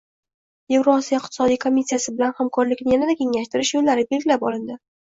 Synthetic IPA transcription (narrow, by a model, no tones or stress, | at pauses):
jevɾonsijaɪq̚t̪ʰɪ̥sɒd̪ijkʰomʲisːijasɪbɪlanhamkʰɒɾlɪkʲnɪjanad̪akʲʰe̞ŋlaʃt̪ɪɾɪʃjolːaɾɪbe̞lɡʲɪlapɒlɪnd̪ɪ